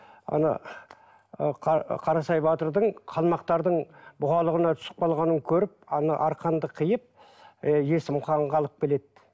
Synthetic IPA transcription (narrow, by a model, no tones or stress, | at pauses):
ɑ̰nɑ̰ | qqʰɑɾɑsɑjbɑt̪əɾd̪əɴqʰɑlˠmɑq̚t̪ɑɾd̪əɴbʊχɑlˠəʁənɑt̪ʰʏ̥sə̥p̚qʰɑlˠʁɑnəŋkʲʰɵɾɪp̚ɑnɑʔɑɾqʰɑnd̪əqʰəjəp̚ | jesɪmqʰɑɴʁɑlˠəp̚kʲele̞d̪